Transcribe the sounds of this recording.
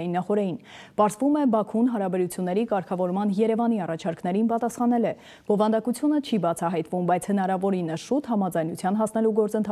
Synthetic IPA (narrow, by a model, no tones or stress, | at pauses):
inːɑχɔɾɛjinpɑɾzvumɛbɑkʰunɦɑɾɑbɛɾut͡sʰjunːɛɾikɑɾkʰɑvɔɾmɑnjɛɾɛvɑniɑrɑt͡ʃʰɑɾknɛɾinpɑt̪ɑsχɑnɛlɛ | b̥ɔvɑnd̪ɑkut͡sʰjunət͡ʃʰibɑt͡sʰɑɦɑjt̪vumbɑjt͡sʰhənɑɾɑvɔɾinəʃut̪hɑmɑd͡zɑjnut͡sʰjɑnɦɑsnɛluɡɔɾt͡sənt̪ʰɑ